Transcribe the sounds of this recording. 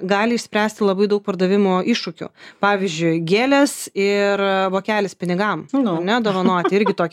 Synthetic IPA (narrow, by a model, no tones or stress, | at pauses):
ɡɑːlʲɪʃʲsʲpʲɾʲæːsʲt̪ʲɪlˠɐbɐɪd̪ɐʊk̚pɐɾd̪ɐʋʲɪmoːʔɪʃʃʊkʲʊ̰pɑːʋʲɪzʲd͡ʒʲʊɪɡʲeːlʲɛsɪɾʋoːkʲæːlʲɪspʲɪnʲɪɡɐmnɐɾnʲɛd̪oːʋɐnoːt̪ʲɪɪɾʲɡʲɪt̪oːkʲ